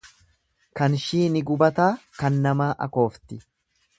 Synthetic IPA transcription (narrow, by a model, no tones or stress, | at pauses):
kɐnʃiːnɪɡʊbɐt̪aːkɐnːɐmaːʔɐ̰ko̞ːft̪ɪ